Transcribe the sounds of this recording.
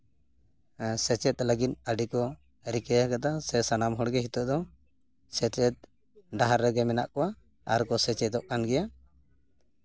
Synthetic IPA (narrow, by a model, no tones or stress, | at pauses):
sɛt͡ʃɛt̪̚ləɡit̪̚əɖikɔ | ɾikɛakat̪asɛsanamɦɔɽɡɛɦit̪ɔʔd̪ɔ | sɛt͡ʃɛt̪̚ | ɖaɦaɾːɛɡɛmɛna̰ʔkɔwa | a̰ɾkɔsɛt͡ʃɛd̪ɔʔkanɡɛja